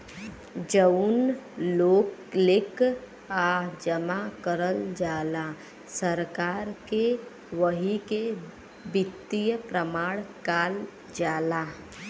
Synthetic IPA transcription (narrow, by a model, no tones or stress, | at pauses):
d͡ʒəʊnloːklɪk | ad͡ʒəmakəɾəld͡ʒaːla | səɾkaːɾke | ʋəɦike | bɪt̪ːijəpɾəmaːɽkaːl | d͡ʒaːla